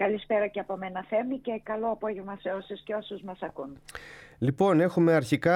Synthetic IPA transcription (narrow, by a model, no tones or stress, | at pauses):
kɐlispe̞ɾɐceɐpo̞menɐθe̞mice̞kɐlo̞ɐpo̞ʝevmɐseo̞susceo̞suzmɐsɐkunlipo̞ne̞xume̞ɐɾçikɐ